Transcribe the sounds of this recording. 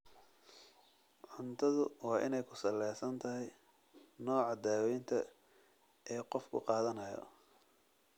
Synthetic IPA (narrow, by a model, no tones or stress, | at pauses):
ʕʊnt̪ʰɐðʊwɑːʔɪ̰nɛjkʰʊsɐlːɛjsɐnt̪ʰɐɦɛj | nɔːʕɑd̪aːwɛjnt̪ʰɐ | ʔɛːqɔfkʰʊ̰qɑːðɐnɐjɔ̰